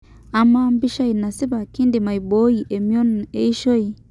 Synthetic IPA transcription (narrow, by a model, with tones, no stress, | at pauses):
a˨˦ma˦m˦bi˦ʃa˦i˨na˨si˦ba˨ki˦ndi˨ma˨i˨bo˦i˨ʔe˨mi˦o˦ne˦i˦ʃo˦i˨